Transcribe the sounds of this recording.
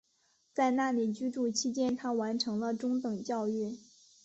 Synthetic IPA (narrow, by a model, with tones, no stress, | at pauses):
t͡sa˥˧ɪna˥˩li˨˩t͡ɕy˥ʈ͡ʂu˥˩t͡ɕʰi˥t͡ɕjɛ˥nt̪ʰa˥wa˧˥nʈ͡ʂʰɤ˧˥ŋlə˧ʈ͡ʂʊ˥ŋt̪ɤ˨˩ŋt͡ɕjɑ˥˧ʊy˥˩